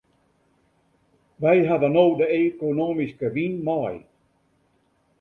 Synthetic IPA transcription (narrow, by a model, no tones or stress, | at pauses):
ʋɛjɦadənoːdəekonomiskəʋinmɔj